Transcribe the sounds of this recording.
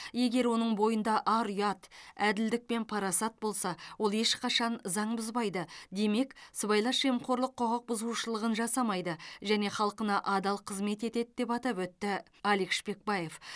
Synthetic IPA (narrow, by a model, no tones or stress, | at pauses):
je̞ɡʲe̞ɾwo̞nəɴbo̞jənd̪ɑʔɑɾujɑt̪æd̪ɪld̪ɪk̚pe̞npʰɑɾɑsɑt̪̚bo̞lˠsɑwo̞lˠe̞ʃqʰɑʃɑnzɑɴbʊzbɑjd̪əd̪e̞me̞ksəbɑjlˠɑʃʒemqo̞ɾlˠəqʰːoʁəq̚bʊzuʃəlˠəʁənʒɑsɑmɑjd̪əʒæne̞χɑlˠqənɑʔɑd̪ɑlˠqʰəzme̞t̪e̞t̪et̪̚d̪e̞pɑt̪ɑpwɵt̪ːɪ | ɑlikʃpe̞k̚bɑje̞f